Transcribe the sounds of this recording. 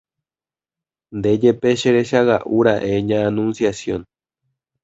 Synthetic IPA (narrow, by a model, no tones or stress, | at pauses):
nd̪ed͡ʒepeʃeɾeʃaɣaʔuɾaʔeɲãːnũnsjasjõ̞n